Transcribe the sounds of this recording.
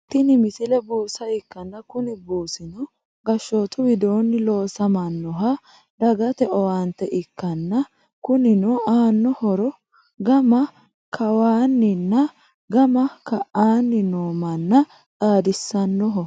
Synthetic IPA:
t̪ɪnɪmɪsɪlɛbuːsɐɪkːɐnːɐkʊnɪbuːsɪnɔ | ɡɐʃːoːt̪ʊwɪd̪oːnːɪlo̞ːsɐmɐnːɔɦɐ | d̪ɐɡɐt̪ɛʔɔwaːnt̪ɛʔɪkːɐnːɐ | kʊnɪnɔaːnːɔhɔɾɔ | ɡɐmɐ | kʰɐwaːnːɪnːɐ | ɡɐmɐkɐʔaːnːɪnoːmɐnːɐ | t͡sʼaːd̪ɪsːɐnːɔɦɔ

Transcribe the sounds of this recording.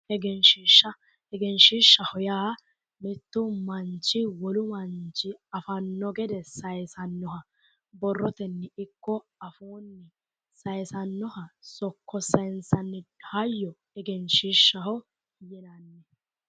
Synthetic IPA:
ɛɡɛnʃiʃːɐ | ɛɡɛnʃiːʃːɐhɔjaː | mɛt̪ːʊmɐnt͡ʃːɪwɔlʊmɐnt͡ʃɪɐfɐnːɔɡɛd̪ɛsɐjsɐnːɔɦɐ | bɔrːɔt̪ɛnːɪɪkːɔɐfoːnːɪ | sɐjsɐnːɔhɐsɔkːɔsɐjɪnsɐnːɪhɐjːɔ | ɛɡɛnʃiʃːɐhɔ | jɛnɐnːɛ

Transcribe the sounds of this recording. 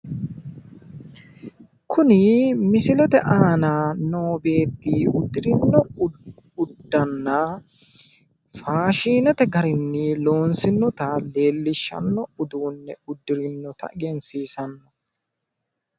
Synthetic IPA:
kʰʊnɪmɪsɪlɛt̪ɛʔaːnaːno̞ːbe̞ːt̪ːiːʊd̪ːɪɾɪnːɔ | ʊd̪ːɐnːɐ | faːʃiːnɛt̪ɛɡɐɾɪnːɪlo̞ːnsɪnːɔt̪ɐle̞ːlːɪʃːɐ̰nːɔʊd̪uːnːɛʊd̪ːɪɾɪnːɔt̪ʰɐ̰ɡɛnsiːsɐnːɔ

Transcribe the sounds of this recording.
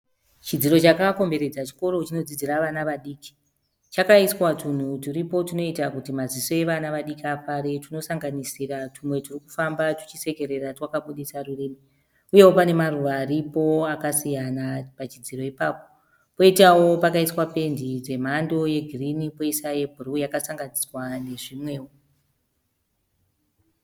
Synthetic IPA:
t͡ʃid͡ziɾo̞t͡ʃakako̞mbe̞ɾe̞d͡zat͡ʃi̥ko̞ɾo̞t͡ʃino̞d͡zid͡ziraʋanaʋaɗiːki̥ | t͡ʃakaiswatun̤utuɾipo̞tino̞itakutimaziso̞e̞ʋanaʋaɗikiafaɾetuno̞saŋɡanisiɾatumwe̞turiku̥fambatu̥t͡ʃise̞ke̞ɾe̞ratwakaɓuɗesarureːme | uje̞wopane̞maruʋaːɾipo̞akasijanapat͡ʃid͡ziɾo̞ipaːpo̞̥ | po̞itawo̞pakaiswape̞ndid͡ze̞m̤ando̞je̞ɡʱirinipoisaje̞bʱurujakasaŋɡaniswane̞ʐimwe̞ːwo

